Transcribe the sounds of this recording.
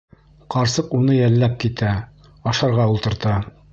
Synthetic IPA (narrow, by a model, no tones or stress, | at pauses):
qɑɾsɤqunɤjælːæp̚kit̪æ | ɑʃɑɾʁɑulˠt̪ɤ̆ɾt̪ɑ